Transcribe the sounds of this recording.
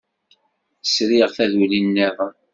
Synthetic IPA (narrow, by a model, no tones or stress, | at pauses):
sɾiʁθæðulinːæðˤ